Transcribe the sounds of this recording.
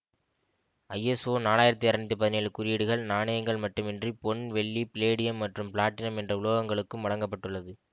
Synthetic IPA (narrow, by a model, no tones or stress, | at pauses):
ɐjːɛsoːnaːlaːjɪɾɐt̪ːiɐɾɪnɐt̪ːɯpɐðɪneːɭkʊɾɪjɪɽɯɣɐɭnaːɳɐjɐŋɡɐɭmɐʈːɯmɛndripɔnʋɛɭːipɪleːɽɪjɐmːɐʈrɯmpɪɭaːʈːɪnɐmɛndrɐʊɭoːɣɐŋɡɐɭɯkːɯmʋɐɭɐŋɡɐp̬ːɐʈːɯɭːɐðɯ